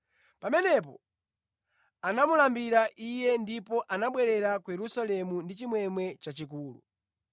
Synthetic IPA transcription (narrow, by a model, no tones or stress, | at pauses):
pamɛnɛp̬ɔ | anamulambiɾaʔijɛndipɔʔanaɓwɛɾɛɾakujɛɾusalɛmundit͡ʃimwɛmwɛt͡ʃat͡ʃik̬uːlṵ